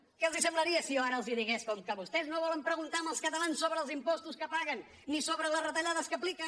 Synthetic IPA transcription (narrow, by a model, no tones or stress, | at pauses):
kelˠzisə̃mblˠɐɾiəsioaɾəlˠziðiɣeskɔmkəβust̪ɛznoβɔləmpɾəɣunt̪aɾməlˠskət̪ɐlˠansːoβɾəːlˠzimpɔst̪uskəpaɣənː | isoβɾələzrət̪ɐʎaðəskəplikə